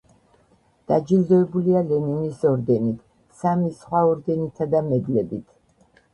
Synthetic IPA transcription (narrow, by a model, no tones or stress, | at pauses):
d̪̥ad͡ʒild̪ɔɛbulialɛninisɔɾd̪ɛnit̪ʰ | samisχwaɔɾd̪ɛnit̪ʰad̪amɛd̪lɛbit̪ʰ